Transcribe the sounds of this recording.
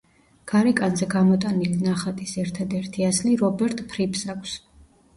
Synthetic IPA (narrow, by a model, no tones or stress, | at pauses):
ɡ̥aɾɛkʼanzɛɡamɔt̪ʼanilinaχat̪ʼisɛɾt̪ʰad̪ɛɾt̪ʰiasliɾɔbɛɾt̪ʼpʰɾipsakʼʰs